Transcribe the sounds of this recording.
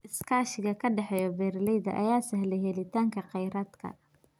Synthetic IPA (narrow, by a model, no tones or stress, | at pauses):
ʔɪskʰaːʃɪɣɐkʰɐɖɛħɛjɔbɛːrlɛjðɐ̰ʔɐ̰jaːsɐɦlɛjhɛlɪt̪ʰaːŋkʰɐqɛjɾaːd̪kʰɐ̰